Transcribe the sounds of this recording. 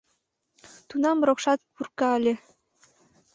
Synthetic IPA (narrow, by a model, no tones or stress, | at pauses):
t̪unɑmrokʃɑt̪̚purkɑəlʲe